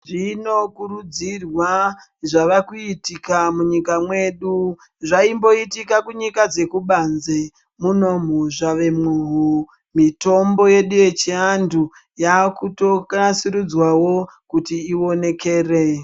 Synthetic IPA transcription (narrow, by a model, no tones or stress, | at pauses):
ʐino̞kurud͡zirwa | ʐaʋakuitikamuɲikamwe̞ɗu | ʐaimbo̞itikakuɲikad͡ze̞kuɓanze | muno̞muʐaʋe̞muɦu | mito̞mbo̞je̞ɗuje̞t͡ʃiandu | jakuto̞kasiɾud͡zwawo̞kutiːo̞ne̞ke̞ːre